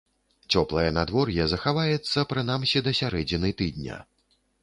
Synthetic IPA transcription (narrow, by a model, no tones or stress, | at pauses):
t͡sʲɔplˠɐjɛnad̪vɔrjɛzɐxavajɛt̪sːɐpɾɨn̪amsʲid̪ɐsʲaɾɛd͡zʲinɨt̪ɨd̪ʲnʲɐ̰